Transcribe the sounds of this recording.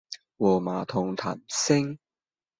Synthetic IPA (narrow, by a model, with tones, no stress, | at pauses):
wɔː˨˩maː˨˩t̪ʰʊ˨˩ŋt̪ʰa̰ː˨˩msɪ˥ŋ